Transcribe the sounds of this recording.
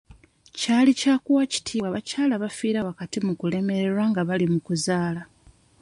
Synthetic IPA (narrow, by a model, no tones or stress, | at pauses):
caːlicaːkuwaci̥tʰiːaβacaːlaβafiːɾaβakatimukule̞me̞ɾeɾwaŋɡaβalimukuzaːla